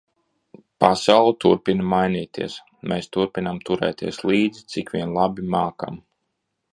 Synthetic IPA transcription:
pasawlˠut̪uɾpinmajnʲiːt̪iɛs | meːst̪uɾpinamt̪uɾɛ̰ːt̪iɛslˠiːd̪zit̪sikʋʲiɛnlˠabimaːka̰m

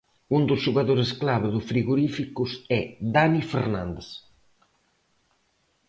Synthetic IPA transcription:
und̪ʊsʒuɣaðoɾesklaβeðʊsfɾiɣoɾifikʊsɛðanifḛɾnã̰nd̪es

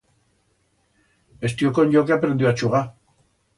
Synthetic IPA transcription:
e̞st̪ioko̞ɲɟok̬eapɾend̪iuat͡ʃuɣa

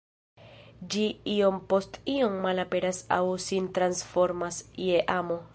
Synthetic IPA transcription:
d͡ʒiio̞mpo̞stio̞mːalape̞ɾasa̰wsint̪ɾansfo̞ɾmasieʔamo̞

